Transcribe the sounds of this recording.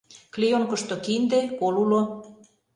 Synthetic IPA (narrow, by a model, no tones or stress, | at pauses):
klijoŋkə̆ʃt̪okind̪epolulo